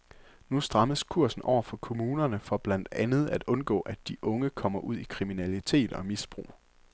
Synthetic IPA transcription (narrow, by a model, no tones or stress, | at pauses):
nusd̥ʁɑ̈məskʰuɐ̰sn̩ɒ̰ʊ̰ɐfɒ̽kʰo̝muːnɐnəfɒ̽b̥læn̰d̥ænð̞̩ˠæd̥ɔ̽nɡ̥ɔ̰̽ːʔæd̥iʔɔ̽ŋəkʰɒ̽m̰ɐʔuð̞̰ˠikʰʁiminælit͡sʰe̝̰ːd̥ɒ̽misb̥ʁṵː